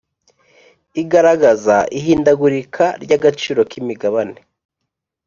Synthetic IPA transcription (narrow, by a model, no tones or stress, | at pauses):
iɡaɾaɡazaʔiɦiːndaɡuɾikʰaɾɟaɡat͡ʃiːɾo̞kimiɡaβane